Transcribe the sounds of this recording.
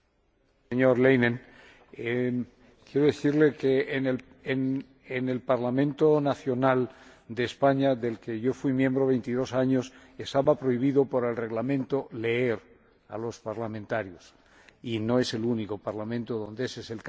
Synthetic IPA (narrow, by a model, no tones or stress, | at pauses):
seɲoɾlejnẽn | e | kjeɾoðeθiɾle̞keːnl | en | ene̞lpaɾlamẽ̞nt̪onaθjo̞nald̪espaɲaðe̞lke̞ʝo̞fwimjẽ̞mbɾoβe̞jnt̪iðo̞saɲo̞s | est̪aβapɾoiβ̞iðopoɾe̞lre̞ɣlamẽ̞nt̪o̞le̞eɾ | a̰lo̞spaɾlamẽnt̪aɾjos | inoe̞se̞lunikopaɾlamẽnt̪oðõ̞nd̪eeseselk